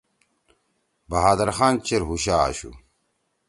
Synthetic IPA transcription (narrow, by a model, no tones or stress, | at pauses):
bɐɦaːd̪ɐɾxaːnt͡ɕeɾɦuɕa̰ːɕṵ